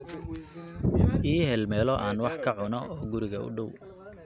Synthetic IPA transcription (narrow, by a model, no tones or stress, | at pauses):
ʔiːɦɛlmɛːlɔʔaːnwɑħkʰɐʕʊnɔʔɔːɡʊɾɪɣɐʊ̰ɖɔw